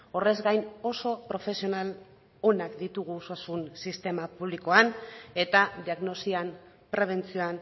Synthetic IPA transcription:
o̞re̞zɡajno̞so̞pɾo̞fe̞sio̞nal | o̞nakd̪it̪uɣ̞usuasunsist̪e̞mapuβlikoane̞t̪ad̪iaɣno̞sian | pɾe̞β̞e̞nt͡sio̞an

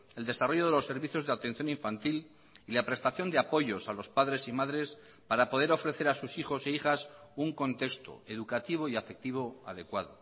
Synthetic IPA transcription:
e̞ld̪e̞saro̞ʝo̞ðe̞lo̞sːe̞ɾβiθjo̞zðeat̪e̞nθjo̞niɱfant̪il | ilapɾe̞st̪aθjo̞nd̪eapo̞ʝo̞salo̞spaðɾe̞simaðɾe̞s | paɾapo̞ðe̞ɾo̞fɾe̞θe̞ɾasusiχo̞seiχasuŋko̞nt̪e̞kst̪o̞̰eðukat̪iβo̞iafe̞k̚t̪iβ̞o̞a̰ðe̞kwað̞o

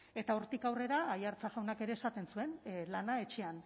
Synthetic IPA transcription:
e̞t̪ao̞ɾt̪ikawre̞ɾaːjaɾt͡saɣawnake̞ɾe̞ːsat̪e̞nsue̞nlanae̞t͡ʃe̞an

